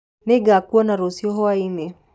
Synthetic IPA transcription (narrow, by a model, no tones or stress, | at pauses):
neɡakuɔnaɾosiɔɦɔaine